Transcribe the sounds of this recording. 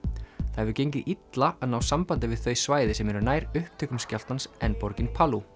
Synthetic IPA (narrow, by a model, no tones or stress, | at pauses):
θahɛvðʏcejɲcɪʔit̪laaðnaːwsampant̪ɪvɪð̥θœɥsvaːjðɪsɛmɛɾʏnaːjɾʏhp̚t̪ʰʏkʏmscal̥t̪hansɛnpɔɾcɪnpʰalu